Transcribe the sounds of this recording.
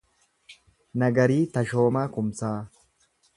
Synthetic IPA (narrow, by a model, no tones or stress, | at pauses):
nɐɡɐɾiːt̪ɐʃo̞ːmaːkʊmsaː